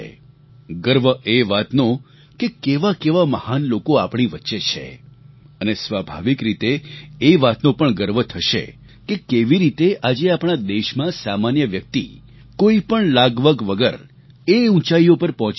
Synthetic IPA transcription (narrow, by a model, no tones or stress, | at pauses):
ɡəɾʋəʔeʋat̪nõ | kekeʋakeʋaməhanlokoapɳ̃iʋətːʃet͡ʃʰḛ | ənesʋabʱa̰ʋikɾit̪eːʋat̪nõpəɳɡəɾʋət̪ʰəʃḛ | kekeʋiɾit̪eʔad͡ʒeapɳ̃ad̪eʃmãsamanjəʋjək̚t̪ḭ | koipəɳlaɡʋəɡʋəɡə̰ɾ | eũt͡ʃaijopəɾpɔɦɔ̃t͡ʃ